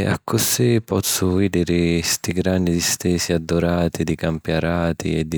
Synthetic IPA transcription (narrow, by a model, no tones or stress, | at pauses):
a̰kːʊsipɔt̪sːʊviːd̪ɪɾɪst̪iɡɾanːid̪ist̪ɛːsiad̪ːʊɾaːt̪id̪ikampjaɾaːt̪ḭɛd̪ː